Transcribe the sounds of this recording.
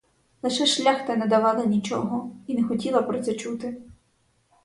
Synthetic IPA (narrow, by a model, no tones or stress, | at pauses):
lˠɪʃɛʃlʲaxt̪ɐnɛd̪ɐʋɑlˠɪnʲit͡ʃɔ̰ɦɔinɛxɔtʲilˠɐpɾɔt̪sɛt͡ʃut̪ɪ